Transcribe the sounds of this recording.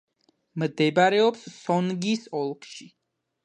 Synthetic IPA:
md̪ɛbaɾɛɔpsːɔnɡisɔlˠkʰʃi

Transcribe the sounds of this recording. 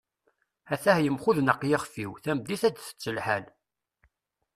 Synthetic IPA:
æθæhjəmχuðnəqːjɪχfiwθæmd̪iθæd̪θə̥t͡sːəlħæl

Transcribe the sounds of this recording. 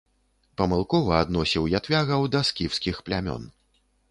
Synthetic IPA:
pɐmɨlˠkɔvɐːd̪nɔsʲiwjat̪vʲaɣɐwd̪ɐskʲiwskʲixplʲamʲɔ̰n

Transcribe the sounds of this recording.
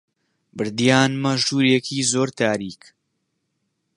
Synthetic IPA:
bɨɾd̪jaːnmɐʒuːɾjekʰiːzoːɾt̪ʰaːɾiːk

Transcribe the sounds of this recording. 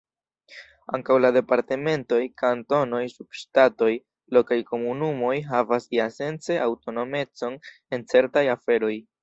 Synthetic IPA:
a̰ŋkawlade̞paɾte̞me̞nto̞jkanto̞no̞jsub̥ʃtato̞j | lo̞kajko̞munumo̞jɦavasiase̞nt͡se̞ʔawto̞no̞me̞t͡so̞n | e̞nt͡se̞ɾtajafe̞ɾo̞j

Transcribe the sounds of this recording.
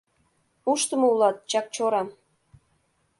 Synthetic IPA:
uʃt̪ə̆mɤ̆ulɑt̪̚t͡ɕɑk̚t͡ɕoɾɑm

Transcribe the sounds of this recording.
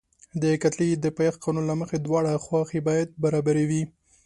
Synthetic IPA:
d̪əkat̪lid̪əpajɑxqɑnunlaməxed̪wɑɽaxwɑxebɑjad̪̚baɾɑbaɾewi

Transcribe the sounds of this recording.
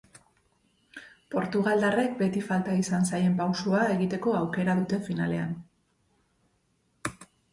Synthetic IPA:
po̞ɾt̪uɣ̞ald̪are̞k̚be̞t̪ifalt̪aisans̬aje̞mpawsuae̞ɣit̪e̞ko̞awke̞ɾaðut̪e̞finale̞a̰n

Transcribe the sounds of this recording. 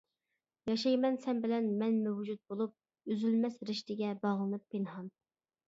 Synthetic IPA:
jɑʃɑjmɛnsɛnbɪlɛnmɛnmɛwd͡ʒut̪̚bolˠup̚ | yzylmɛsɾɪʃt̪ɪɡʲɛbɑʁlˠɨnɨpʰːenɦɑn

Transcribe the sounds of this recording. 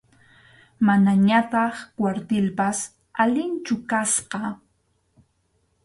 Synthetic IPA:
manaɲat̪ɑχkwaɾt̪ɪlpas | alɪnt͡ʃʊkasqɑ

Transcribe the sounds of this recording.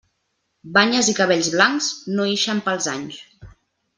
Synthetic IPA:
baɲəzikəβ̞eʎzβlaŋkznoeʃəmpəlˠzaɲs

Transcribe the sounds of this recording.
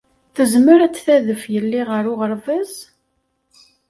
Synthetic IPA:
θəzməɾæt͡sːθæðəfjəlːiʁəɾʊʁəɾvæz

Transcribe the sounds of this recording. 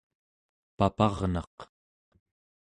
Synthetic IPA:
papɑʁnɑ̰q

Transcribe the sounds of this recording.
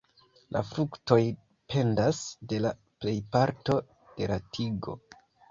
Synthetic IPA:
lʔa̰fɾukto̞j | pʰe̞ndasde̞la | ple̞jpaɾto̞ | d̥e̞latʰiɡo̞̰

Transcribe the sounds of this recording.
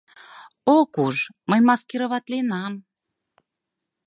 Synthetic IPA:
okuʒməjmɑskeɾə̆βɑt̪lenɑm

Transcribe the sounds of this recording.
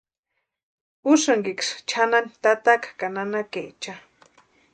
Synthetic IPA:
uʃaŋɡikʂt͡ʃʰanant̪at̪akḁkananakeʔt͡ʃa

